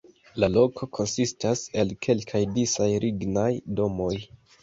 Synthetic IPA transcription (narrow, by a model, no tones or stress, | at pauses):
lalo̞kʰo̞kʰo̞nsistase̞lkʰe̞lkʰajdisajɾʔiɡnajdo̞mo̞j